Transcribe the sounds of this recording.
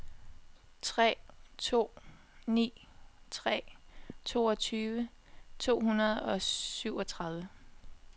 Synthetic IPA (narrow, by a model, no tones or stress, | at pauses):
t͡sʰʁɛ̰ːt͡sʰo̝̰ː | nḭː | t͡sʰʁɛ̰ːt͡sʰo̝̰ːɒ̽t͡sʰyːʋə | t͡sʰo̝̰ːhunɐð̞ˠɒ̽syʊɒ̽t͡sʰʁɑ̈ðˠʋə